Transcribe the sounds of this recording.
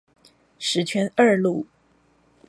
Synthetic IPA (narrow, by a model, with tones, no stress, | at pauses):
ʂɻ̩˧˥t͡ɕʰɥɛ˧˥nə˥˧lu˥˩